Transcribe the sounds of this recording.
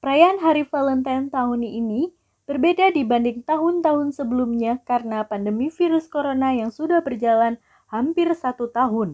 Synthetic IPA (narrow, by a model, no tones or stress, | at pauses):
pəɾajaanɦaɾifalənt̪ant̪aɦʊnini | b̥ərbedadibandɪŋt̪aɦʊnt̪aɦʊnsəbəlumɲakaɾənapandəmifiɾʊskoɾonajaŋsudahbərd͡ʒalan | hampɪrsat̪ut̪aɦʊn